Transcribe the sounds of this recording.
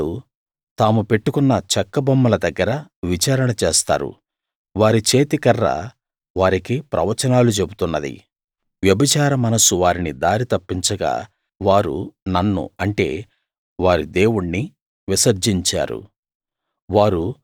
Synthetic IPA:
u | t̪aːmupeʈːukunːɐt͡ʃɐkːɐbɐmːɐlɐd̪ɐɡːɐɾɐʋit͡ʃaːɾɐɳɐt͡ʃe̞ːst̪a̰ːɾṵ | ʋaːɾit͡ʃe̞ːt̪ikɐrːɐ̰ | ʋaːɾikipɾɐ̰ʋɐt͡ʃɐnaːlut͡ʃe̞but̪unːɐd̪ḭ | ʋjɐbɐt͡ʃaːɾɐmɐnɐsuʋaːɾinid̪aːɾit̪ɐpːiɲt͡ʃɐɡa̰ː | ʋaːɾṵnɐnːṵɐɳʈe̞̰ː | ʋaːɾid̪e̞ːwuɳːi | ʋisɐɾd͡ʒiɲt͡ʃa̰ːɾṵ | ʋaːɾu

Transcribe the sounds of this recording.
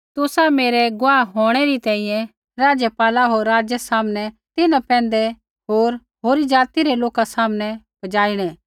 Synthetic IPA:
t̪ʊsameːɾeɡʊaːɦoːɽ̃ɛɾit̪ɛ̃ːĩjɛ̃ | ɾaːd͡ʒəpaːlaɦoːɾːaːd͡ʒjesaːmnɛ | t̪ɪnãpɛ̃ːnd̪ɛ | ɦoːɾ | ɦoːɾid͡ʒaːt̪iɾeloːkasaːmnɛ | bɐd͡ʒaːɪɽ̃ɛː

